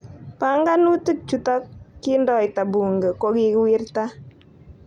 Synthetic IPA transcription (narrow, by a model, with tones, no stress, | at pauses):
pa˨˦ŋɡa˦nu˦tu˦t͡ʃu˦tɔ˦kːi˦ndɔ˨ɪ˨ta˨bu˨ŋɡə˨ko˦ki˦kwi˦rta˦